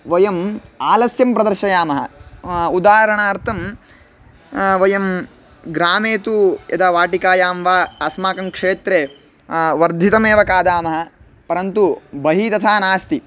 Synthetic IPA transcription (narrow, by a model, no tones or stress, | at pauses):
ʋɐjɐmaːlɐsjɐmpɾɐd̪ɐɾʃɐjaːmɐɦɐ̰ud̪aːɦɐɾɐɳaːɾt̪ʰɐm | ʋɐjɐm | ɡɾaːmeːt̪ujɐ̰d̪aːʋaːʈikaːjaːmʋaːɐsmaːkɐmkʂeːt̪ɾe | ʋɐɾd̪ʱit̪ɐmeːʋɐkaːd̪aːmɐɦɐ̆ | pɐɾɐnt̪ubɐɦit̪ɐt̪ʰaːnaːst̪i